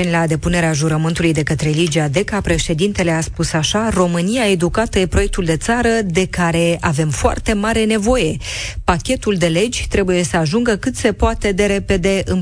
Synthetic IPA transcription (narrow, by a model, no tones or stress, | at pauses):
enʲlad̪e̞pune̞ɾeaʒuɾəmɨnt̪ulujd̪e̞kət̪ɾe̞lid͡ʒead̪e̞kapɾe̞ʃe̞d̪int̪e̞leaspusaʃaro̞mɨnijae̞d̪ukat̪əje̞pɾo̞je̞k̚t̪uld̪e̞t̪saɾəd̪e̞kaɾe̞ave̞mfoa̰rt̪e̞maɾe̞ne̞vo̞je̞pakʲe̞t̪uld̪e̞le̞d͡ʒʲt̪ɾe̞buje̞səaʒuŋɡəkɨt̪se̞poat̪e̞d̪e̞ɾe̞pe̞d̪e̞ʔɨm